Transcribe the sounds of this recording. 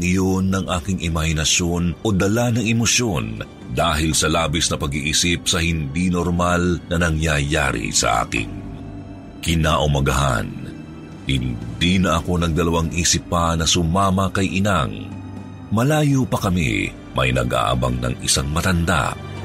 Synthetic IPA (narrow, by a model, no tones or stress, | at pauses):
ɪjo̞nːɐŋʔaːkɪŋʔɪmɐhɪnɐsjo̞nʔo̞d̪ɐlanɐŋɛmosjo̞n | d̪aːɦɪlsɐlaːbisnɐpɐɡiʔiːsɪp̚sɐhɪnd̪inoɾmalnɐnɐŋjaja̰ːɾḭsɐ̰ʔa̰ːkɪ̰ŋ | kɪnaːʔʊmɐɡɐɦa̰n | hɪnd̪inɐʔɐko̞nɐɡ̚d̪ɐlɐwaŋʔiːsɪpːɐnɐsʊmaːmɐkɐjʔɪnaŋ | mɐlaːjopɐkɐmḭ | mɐ̰jnɐ̰ɡʔa̰ːʔɐ̰bɐ̰ŋnɐ̰ŋɪsaŋmɐt̪ɐnd̪a̰